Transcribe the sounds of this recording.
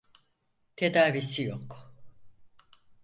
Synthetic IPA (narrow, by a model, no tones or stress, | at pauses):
t̪ʰe̞d̪aːvisijok